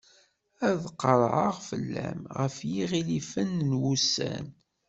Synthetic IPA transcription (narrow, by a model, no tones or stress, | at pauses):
æðqəɾˤʕəʁfəlːæ̰mʁəfjiʁilifənːnwusæ̰n